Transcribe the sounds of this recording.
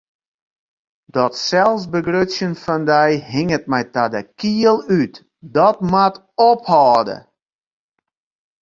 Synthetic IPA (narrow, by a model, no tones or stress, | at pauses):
dɔtsɛlˠsbəɡrøsjənfɔndɛjɦɪŋət̚mɛjtadəkiəlˠyt | dɔtmat | ɔphɔːdə̰